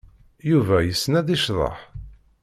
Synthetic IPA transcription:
juvæjəsːnæðiʃðˤɑ̰ħ

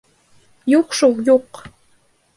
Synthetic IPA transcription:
joχʃowjoq

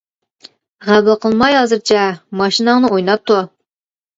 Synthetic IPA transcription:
ʁæbɪlˠqəlˠmɑjhɑzɨɾt͡ʃʰɑmɑʃinɑŋnəujnɑt̪ːo

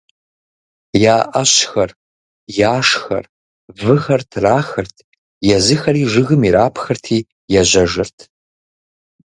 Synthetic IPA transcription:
jaːʔɐɕxɐr | jaːʂxɐ̰r | vɨxɐrtʰraːxɐrtʰ | jɛzɨxɐɾiːʐɨɣɨmiɾaːpʰxɐrtʰiː | jɛʑʷɐʐɨrtʰ

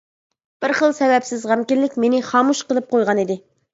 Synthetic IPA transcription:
b̥ɪɾχəlˠsɛvɛpsɪzʁɑmkʲinlɪkʲmenɪχɑːmuʃqəlˠɨp̚qʰojʁɑnid̪ɪ

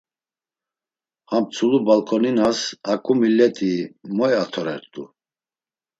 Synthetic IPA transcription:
hampt͡sʰulubalkʰɔninasakʼumilɛt̪ʼimɔɛat̪ʰɔɾɛ̰ɾt̪ʼu

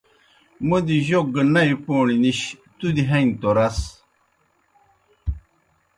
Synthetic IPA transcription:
məd̪iʒoɡənajpoɳiniɕt̪ud̪iɦɛ̃nt̪oɾas

